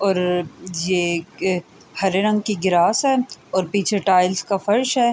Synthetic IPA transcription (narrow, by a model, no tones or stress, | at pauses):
ɔːɾje | hɐɾeɾɐ̃ŋɡkiɡɪɾaːsɦɛːɔːɾpiːt͡ʃʰeʈaːɪlskafɐɾʃɦɛː